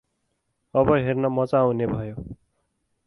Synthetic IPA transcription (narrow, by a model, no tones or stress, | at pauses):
ʌbʌɦernʌmʌt͡saũnebʱʌjo